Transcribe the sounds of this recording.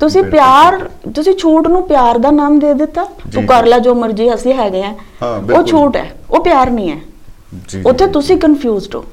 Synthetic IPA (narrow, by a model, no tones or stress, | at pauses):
t̪ʊsĩːpjaːɾt̪ʊsĩːt͡ʃʰuːʈnũːpjaːɾd̪aːnaːmd̪eːd̪ɪt̪ːaːsʊkaːɾlaːd͡ʒoːməɾd͡ʒiːəsĩːɦɛːɡeɛ̃ː | oːt͡ʃʰuːʈɛ̰ːoːpɪjaːɾnəĩːɛː | ʊt̪ʰːeːt̪ʊsĩːkənpʰjuːzɖo̰ː